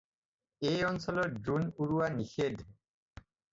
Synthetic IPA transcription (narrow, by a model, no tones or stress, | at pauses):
ejɔnsɔlɔtdunuɹuwanixed̪ʱ